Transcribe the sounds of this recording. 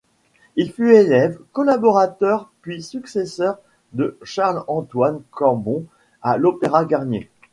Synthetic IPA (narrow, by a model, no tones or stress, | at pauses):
ilfyelɛvkɔlabɔʁat̪œʁpɥisyksesœʁ | d̪əʃaʁlɑ̃t̪wankɑ̃ʁbɔ̃ | alopeʁaɡaʁnjḛ